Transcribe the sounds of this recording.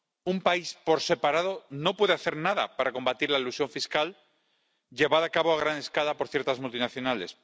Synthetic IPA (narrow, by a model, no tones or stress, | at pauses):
umpaispo̞ɾse̞paɾaðo̞no̞pwe̞ðe̞aθe̞ɾnaða̰paɾako̞mbat̪iɾlailusjo̞ɱfiskal | ɟ͡ʝe̞βaðoakaβoaɣ̞ɾane̞skalapo̞ɾθje̞ɾt̪azmult̪inaθjo̞nale̞̰s